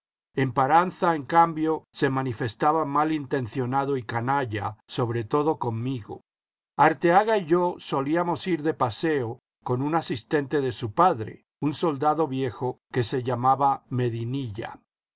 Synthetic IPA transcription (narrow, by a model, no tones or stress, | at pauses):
e̞mpaɾanθaeŋkambjo̞se̞manife̞st̪aβamalint̪e̞nθjo̞naðo̞ikanaʝaso̞βɾe̞t̪o̞ðo̞ko̞mmiɣo̞̰ | aɾt̪eaɣaiʝo̞so̞liamo̞siɾðe̞pase̞o | ko̞nunasist̪e̞nt̪e̞ðe̞supaðɾe̞̰ | unso̞ld̪aðo̞βje̞xo̞ke̞se̞ʝamaβame̞ðiniʎa̰